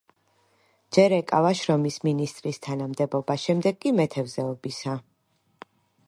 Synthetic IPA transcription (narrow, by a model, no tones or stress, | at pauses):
d͡ʒɛɾɛkʼavaʃɾɔmisminist̪ʼɾist̪ʰanamd̪ɛbɔbaʃɛmd̪ɛɡkʼimɛt̪ʰɛvzɛɔbisa